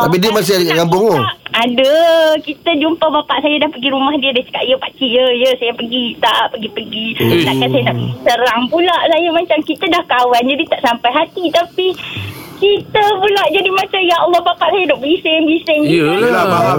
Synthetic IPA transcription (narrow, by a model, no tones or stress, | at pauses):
t̪apidiəmas̬ɪkamboŋoadəkit̪əd͡ʒumpabapaʔsajadahpəɡiɾumahdiədat͡ʃə̥kaʔijəpakijəjəsajapəɡit̪aʔpəɡipəɡidakansajadapəɡisəɾaŋpulaʔsajumat͡ʃamkit̪adahkawand͡ʒadit̪aʔsampajɦat̪it̪apikit̪əpulaʔd͡ʒadimat͡ʃamjaɔlːɔhbapaʔsajadaʔbəisɪŋbisɪŋaba